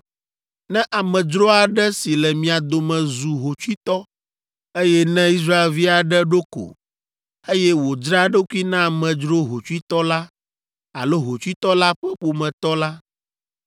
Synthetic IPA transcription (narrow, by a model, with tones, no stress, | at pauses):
nɛ̃˦ʔa˨mɛ̃˨d͡ʒɾo˦a˨ɖɛ˦si˨lɛ˨mĩ˨a˨d̪o˨mɛ̃˨zu˨ɦo˨t͡ʃu˦i˦t̪ɔ˦ | e˦jɛ˦nɛ̃˦i˦s̬ɾa˦e˨lvi˦a˨ɖɛ˦ɖo˦ko̰˨ | e˦jɛ˦wo˨d͡ʒɾa˦ɖo˦ku˦i˦nã˦˨mɛ̃˨d͡ʒɾo˦ɦo˨t͡ʃu˦i˦t̪ɔ˦la˦ | a̰˨lo˦ɦo˨t͡ʃu˦i˦t̪ɔ˦la˦ɸɛ˦ɸo˨mɛ̃˨t̪ɔ˦la˦